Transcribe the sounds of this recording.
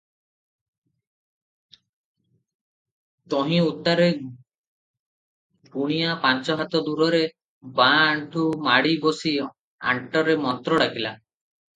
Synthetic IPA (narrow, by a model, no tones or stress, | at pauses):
t̪ɔɦĩut̪ːaɾe | puɽ̃ijapant͡ʃɔɦat̪ɔd̪uɾɔɾe | baːɳʈʰumaɽibɔsi | a̰ɳʈɔɾemɔnt̪ɾɔɽakila